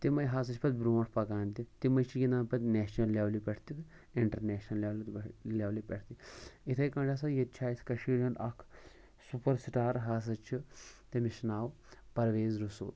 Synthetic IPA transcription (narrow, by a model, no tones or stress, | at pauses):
t̪imɐjɦaːs̬ɐt͡ʃʰpɐt̪̚bɾõːʈʰpɐkaːnt̪it̪imɐjt͡ʃʰijinaːnpɐt̪ʲneːʃnɐlːʲaːʋlipʲɐʈʰt̪it̪ | iɳʈɐɾneːʃnɐlʲaːlt̪lʲaːʋlipʲeʈʰt̪iit̪ʰɐjkɐ̃ːɖaːsɐjet̪̚t͡ʃʰaːjsʲʰkɐʃiːɽɐnɐkʰ | supɐɾsʈaːɾɦaːs̬ɐt͡ʃʰit̪emiʃnaːw | pɐɾʋeːzɾuso̰ːt̪